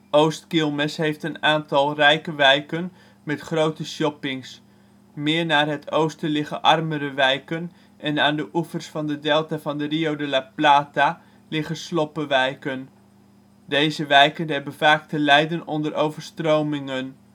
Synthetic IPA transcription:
owstkɪlˠmɛsɦejftənaːntɑlˠrɛjkəʋɛjkən | mɛtχrowtəsjɔpɪŋs | mɪːɹnaːrɦətʰowstəlɪχəʔɑrməɾəʋɛjkən | ʔɛnaːndəʔufərsfɑndədɛlˠtavɑndəriowdəlaplaːta | lɪχəslɔpəʋɛjkən | dejzəʋɛjkənɦɛbənvaːk̚təlɛjdənɔndərʔowvərstrowmɪŋən

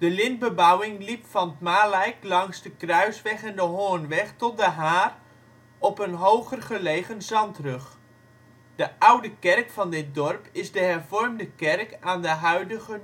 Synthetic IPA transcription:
d̥əlɪnbəbawɪŋlipfɑnətmaːlɛjklɑŋsdəkrœɥsʋɛχɛndəɦoːnʋɛχtɔt̚dəɦaːr | ɔpənɦowχərχəlejχənzɑntrɵχ | d̥əʔawdəkɛrkfɑndɪt̚dɔrpɪzdəɦɛrvɔrmdəkɛrkaːndəɦœɥdəɣə

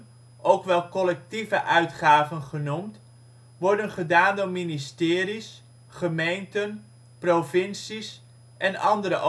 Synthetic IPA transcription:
ʔowkʋɛlˠkɔlɛk̚tivəʔœɥtχaːvənχənumt | ʋɔɹdənχədaːndʊːɹministɪːris | χəmejntən | provɪnsis | ʔɛnɑ̰ndəɾəʔ

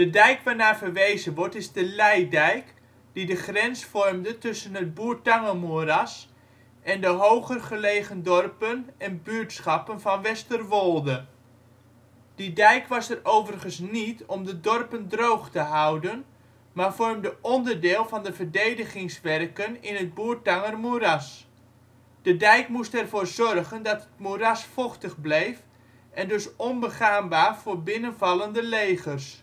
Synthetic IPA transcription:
d̥ədɛjkʋaːɹnaːvərʋejzənʋɔɹtɪzdəlɛjdɛjk | d̥idəχrɛnsfɔrmdətʏsənɦət̚buːɹtɑŋəmuərɑs | ʔɛndəɦowχərχəlejχəndɔrpənɛnbyːɹtsχɑpənvɑnʋɛstərʋɔlˠdə | d̥idɛjkʋɑsərowvərχənsnitɔmdədɔrpəndrowχtəɦawdən | maːrvɔrmdəʔɔndərdɪːlˠvɑndəvədejdəχɪŋsʋɛrkənɪnət̚buːrtɑŋərmurɑs | d̥ədɛjkmustɛrvoːrzɔrχəndɑtət̚murɑsfɔχtəχblejf | ʔɛndɵsɔnbəχaːmbaːrv̥oːɹbɪnənvɑlˠəndəlejχərs

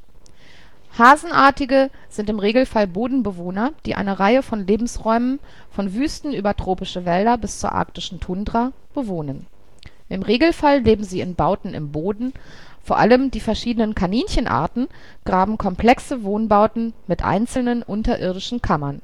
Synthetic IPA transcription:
haːzn̩ʔaːɐtɪɡə | z̥ɪntɪmʁeːɡl̩falboːdn̩bəvoːnɐd̥ḭːʔa̰ɪnəʁaɪəfɔnleːbm̩sʁɔʏmən | fɔnvyːstn̩yːbɐtʁ̥oːpɪʃəvɛldɐbɪst͡suːɐʔa̰ɐktɪʃn̩tʰʊndʁa | b̥əvoːnən | ʔɪmʁeːɡl̩falleːbm̩ziːɪnbaʊtn̩ɪ̰mboːdn̩ | foːɐʔa̰ləmdiːfɛɐʃiːdənənkʰaniːnçənʔa̰ːɐtn̩ | ɡ̥ʁaːbm̩kʰɔmpl̥ɛksəvoːnbaʊtn̩mɪtʔa̰ɪnt͡sl̩nənʔʊntɐʔɪɐdɪʃn̩kʰamɐn

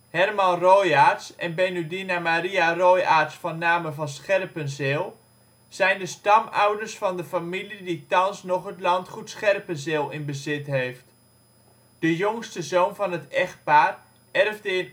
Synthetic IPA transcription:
hɛrmɑnrojaːtsɛ̰nbenydinamaɾiarojaːrtsfɑnːaːməvɑnsχɛrpənzɪːlˠ | z̥ɛjndəstɑmawdərsfɑndəfamiliditɑnsnɔχɦətlɑntχutsχɛrpənzɪːlˠɪnbəzɪtɦejft | d̥əjoŋstəzownvɑnɦətɛχt̚paːr | ɛrvdəɪ

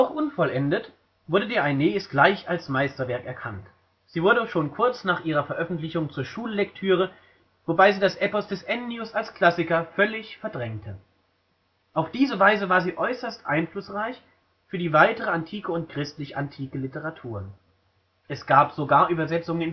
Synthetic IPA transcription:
ɔχʔʊnfɔlʔɛndət | v̥ʊɐdədiːɐaɪneːɛstɡ̥laɪçalsmaɪstɐvɛɐkɛɐkʰant | z̥iːvʊɐɾdəʃoːnkʰʊɐt͡snaːχʔiːʁɐfɛɐʔœfn̩tlɪçʊŋt͡suːɐʃuːləlɛktʰyːʁ̞ə | vobaɪziːdasʔɛpɔsd̥ɛsʔɛnnjʊsalskl̥asɪkɐfœlɪçfɛɐdʁɛŋtʰə | ʔaʊfd̥iːzəvaɪzəvaːɐziːʔɔʏsɐstʔa̰ɪnflʊsʁaɪç | fyːɐdiːvaɪtəʁ̞əantʰiːkəʊntkʁ̥ɪstlɪçʔantʰiːkəlɪtəʁatʰuːɐ | ʔɛsɡ̥aːpz̥oɡaːɐʔyːbɐzɛt͡sʊŋənɪn

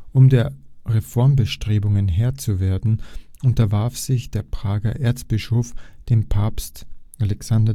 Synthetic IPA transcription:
ʔʊmdeːɐʁefɔɐmbəʃtʁ̥eːbʊŋənɦeːɐt͡suveːɐdn̩ʔʊntɐvaɐfz̥ɪçd̥eːɐpʁ̥aːɡɐʔeːɐt͡sb̥ɪʃoːfd̥eːmpʰaːpstʔalɛksandɐ

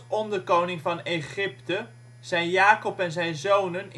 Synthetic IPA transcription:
ɔndəkownɪŋvɑneχɪptə | z̥ɛjnjaːkɔpɛnzɛjnzownən

